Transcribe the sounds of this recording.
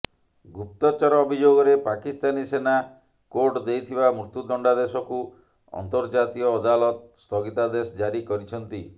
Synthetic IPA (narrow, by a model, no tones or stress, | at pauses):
ɡup̚t̪ɔt͡ʃɔɾɔːbʱid͡ʒoɡɔɾepakist̪anisena | koɾʈd̪ejt̪ʰibamɾut̪ud̪ɔɳɖad̪esɔku | ɔ̰nt̪ɔɾd͡ʒat̪iɔːd̪alɔt̪st̪ʰɔɡit̪ad̪esɔd͡ʒaɾikɔɾit͡ʃʰɔnt̪i